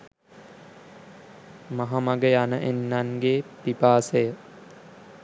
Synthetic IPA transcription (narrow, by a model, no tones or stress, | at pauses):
maɦamaɡəjanəʔenːanɡeːpipaːsəjə